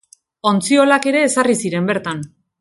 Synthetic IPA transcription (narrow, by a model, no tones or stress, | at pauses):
o̞nt͡sio̞lake̞ɾe̞ːsarisiɾe̞mbe̞ɾt̪an